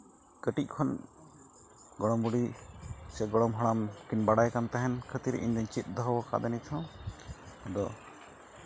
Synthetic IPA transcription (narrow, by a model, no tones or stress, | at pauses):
kəʈic̚kʰɔn | ɡɔɽɔmbuɖisɛɡɔɽɔmɦɔɽ̃amkinbaɽajkant̪aɦɛnkʰət̪iɾɛ̰ʔiɲd̪ɔɲt͡ʃit̪̚ˀd̪ɔɦɔwɔka̰d̪ɛnit̪ʰɔ̃ | ɔd̪ɔ